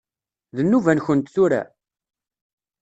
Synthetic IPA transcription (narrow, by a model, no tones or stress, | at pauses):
ðənːuvænçənt̪θuɾæ̰